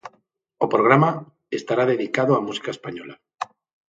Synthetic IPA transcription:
opɾoɣ̞ɾama | est̪aɾaðe̞ðikaðoamusi̥kaespaɲola

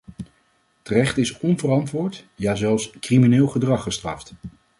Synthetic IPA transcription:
tərɛχtɪsɔnvərɑntʋʊːɹtjaːzɛlˠfskriminɪːlˠχədrɑχəstrɑ̰ft

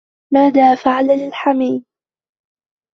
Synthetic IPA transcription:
maːðaːfaʕalalɪlħamiːd

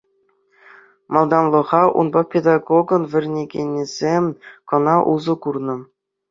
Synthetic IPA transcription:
mɑlˠd̪ɑnlˠɤ̆ʁɑʔṵnbɑpʲed̪ɑɡoɡɤ̆nvʲɘ̆rʲnʲeɡʲenʲːiz̥ʲemʲkɤ̆nɑʔuzɤ̆kurnɤ̆

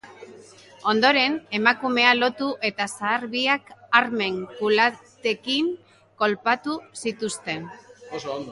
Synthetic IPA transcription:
o̞nd̪o̞ɾe̞ne̞makume̞alo̞t̪uʔe̞t̪asaːɾβiakaɾme̞ŋkulat̪e̞kiŋ | ko̞lpat̪usit̪ust̪e̞n

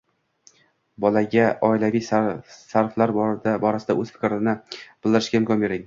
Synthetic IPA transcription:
bɒlaɡʲaʔɒɪlavijssaɾflaɾbd̪abɒɾasɪd̪aʔɵz̥fɪ̥kʲɾɪnɪb̥ɪlˠd̪ɪɾɪʃkʲahɪmkʰʲɒnbe̞ɾɪŋ

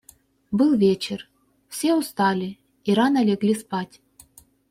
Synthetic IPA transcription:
bɨlˠvʲet͡ɕɪr | fsʲeust̪alʲi | iɾanɐlʲeɡlʲispatʲ

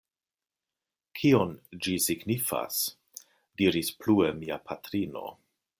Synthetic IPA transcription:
kʰio̞nd͡ʒisiɡnifa̰s | diɾispluemiapʰatɾino̞̰

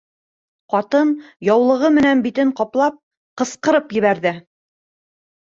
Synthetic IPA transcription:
qɑt̪ɤnjɑwlˠɤ̆ʁɤmɘ̆nænbit̪ɘɴqɑplˠɑp̚ | qɤ̆sqɤ̆ɾɤpjɘ̆βæɾðɘ

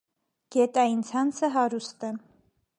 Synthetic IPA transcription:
ɡ̥ɛt̪ɑjint͡sʰɑnt͡sʰəɦɑɾust̪ə

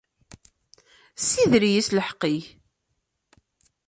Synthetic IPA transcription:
siðɾijisləħqːiç

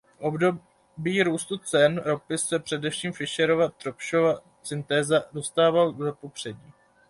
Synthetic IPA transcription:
ʔo̞bdo̞ | biːɾuːst̪ut͡sɛnɾo̞pɪsːɛpr̥ɛdɛfʃiːmfɪʃɛɾo̞vat̪ɾopʃova | t͡sɪnt̪ɛːzado̞st̪aːvaldopopr̝̥ɛɟiː

